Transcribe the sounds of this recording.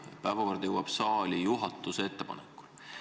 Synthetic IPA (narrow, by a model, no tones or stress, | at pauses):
jɑpævɑkɑrd̪jewɑb̥sɑːlʲijuɦɑt̪ːˑusee̞t̪ːepɑ̰nekːˑu̥l